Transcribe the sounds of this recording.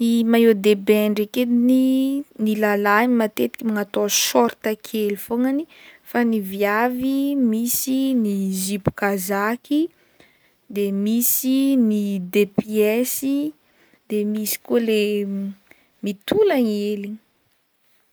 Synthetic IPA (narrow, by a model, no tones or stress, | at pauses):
nimajod̪ebeɳɖ͡ʐeked̪ininilalanimat̪et̪i̥kʲimaŋat̪oʃɔɾt̪akʰelifoŋani | fanivjavimisinizipu̥kazakʲʰi | d̪emisinid̪epiɛsi | d̪emisi̥kule | mit̪ulaŋeli